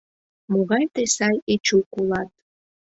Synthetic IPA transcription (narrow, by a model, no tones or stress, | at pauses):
moɣɑjt̪esɑjet͡ʃukulɑt̪̚